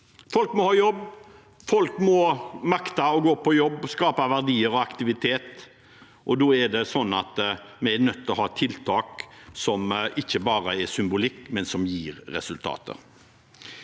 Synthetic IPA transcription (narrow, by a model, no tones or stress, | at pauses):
fɔlkmɔhɑːjɔbː | fɔlkmɔmɑkt̪ɑɔɡoːpʰɔjɔbːskɑːpɑʋæʁd̪iːəɾɔɑkt̪ɪʋɪt̪ʰeːt̪ | ʔɔd̪oːɛɖɛsɔnːɑ̰t̪mɛɛɾnœt̪ːlɔhɑːt̪ʰɪlt̪ʰɑːksɔmʔɪçːəbɑːɾəɛsʏmbʊlɪkːmɛnsɔmjiːɾɾɛ̰sʉlt̪ʰɑ̰ːt̪ə̰ɾ